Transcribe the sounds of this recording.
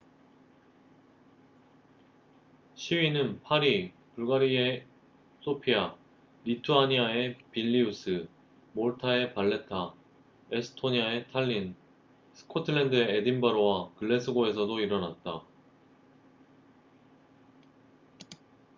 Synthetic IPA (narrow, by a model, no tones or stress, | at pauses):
ɕʰiɥinɯnpʰaɾi | puɭɡaɾie̞ | s͈ʰopʰia | ɾitʰuaɲiae̞piʎːius͈ʰɯ | moɭtʰae̞paɭːe̞tʰa | esʰɯ̥tʰoɲiae̞tʰaʎːin | sʰɯ̥kʰotʰɯɭendɯe̞ːdimbaɾowakɯɭːe̞sʰɯɡoe̞sʰʌdoiɾʌnat̚t͈a